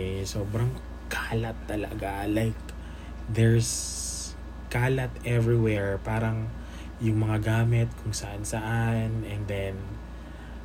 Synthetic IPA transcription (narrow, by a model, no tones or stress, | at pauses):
soːbɾɐŋ | kʰaːlɐt̪ːɐlɐ̰ɡalajk | d̪ɛɹs | kaːlɐt̪ʔɛvɹiwɛɹpaːɾɐŋ | jʊŋmɐŋaɡaːmɪt̪̚kʰʊŋsɐʔansɐʔanɛnd̪ɛn